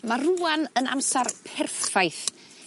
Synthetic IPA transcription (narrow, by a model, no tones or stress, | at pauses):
maruanəna̰msarpʰɛrθajθ